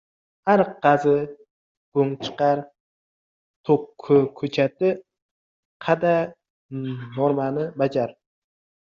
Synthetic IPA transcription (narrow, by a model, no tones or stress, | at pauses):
haɾqɑzɪ | ɡ̥oŋt͡ʃʰɨ̥qɑɾ | t̪ʰokʰːʊkʰɵt͡ʃʰat̪ɪ | qʰɑd̪a | noɾmanɪbad͡ʒaɾ